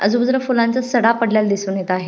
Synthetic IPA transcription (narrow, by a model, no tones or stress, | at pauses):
ə̰d͡zubud͡zɾəfulant͡sasəɽapəɽljald̪isuːɳjet̪aːɦe